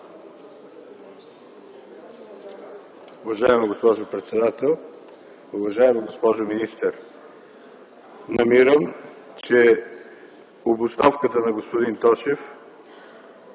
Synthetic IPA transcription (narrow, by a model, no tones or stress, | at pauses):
ʊvɐʒaɛməɡospɔʒʊpɾɛt̪sɛd̪at̪ɛlˠ | uvɐʒaɛmiɡospɔʒʊminist̪əɾ | nɐmiɾəm | t͡ʃɛ | obʊsnɔfkət̪ənɐɡospʊd̪int̪ɔʃɛf